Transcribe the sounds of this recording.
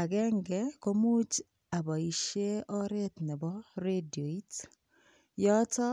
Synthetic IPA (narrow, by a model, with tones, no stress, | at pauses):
a˨ɡɛ˦ŋɡɛ˨ko˦mu˦t͡ʃ | a˨bɔ˨i˨ʃe˦ɔ˦ɾe˦t̪nɛ˨bɔ˦ɾe˦di˨o˨i˦t | jɔ˦tɔ˦